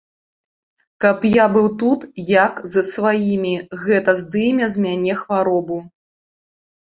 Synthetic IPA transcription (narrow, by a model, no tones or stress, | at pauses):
kɐpjabɨwt̪ut̪jakzɐsvajimʲiɣɛt̪ɐzd̪ɨmʲɛzʲmʲanʲɛxvaɾɔbu